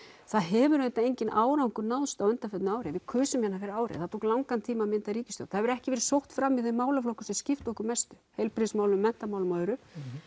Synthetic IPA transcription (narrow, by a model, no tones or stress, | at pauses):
θaðɦɛːvʏɾet̪aejɲcɪnʔaːwɾawŋkʏnawðst̪awœnt̪afɛt̪naːwɾɪvɪkʰœːsʏmjɛnːafɛːɾɪaːwɾɪ̰θaðt̪ʰowklawŋkant̪ʰiːmamɪnt̪aɾiːcɪst̪jo̰w̥̪θaðvɾɛhcɪvɛːɾɪsowht̪fɾamːiθejmaːwlaflowkʏsɛscɪft̪ɔhkʏmɛst̪ʏ̥hejlpɾɪsmaːwlʏmːɛn̥t̪amaːwlmaːðɾʏ